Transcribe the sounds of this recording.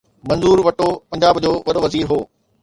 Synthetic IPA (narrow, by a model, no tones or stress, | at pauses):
mɐ̃nzuːɾʋɐʈopɐ̃ɲd͡ʑaːbd͡ʑoːʋɐɗoʋɐziːɾɦoː